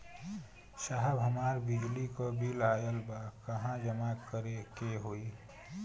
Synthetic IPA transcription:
ʃaɦəbɦəmaːɾbɪd͡ʒlikobʱilaːjəlbakəɦãd͡ʒəmakəɾekeɦoːi

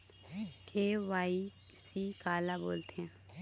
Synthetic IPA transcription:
kʰeːʋaːi | siːkaːlabo̰ːlt̪eɦɛ̃

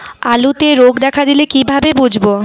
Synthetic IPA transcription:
alut̪eɾoɡd̪ɛkʰad̪ilekibʱabebud͡ʑʱbo

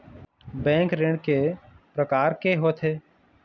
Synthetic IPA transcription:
bɛ̃ːŋkɾẽɳkepɾəkaːɾkeɦoːt̪ʰeː

